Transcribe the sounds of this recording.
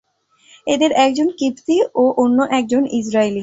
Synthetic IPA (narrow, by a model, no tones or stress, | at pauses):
ed̪eɾɛk̚d͡ʑonkipsioʔonːoʔɛk̚d͡ʑonid͡ʑɾaili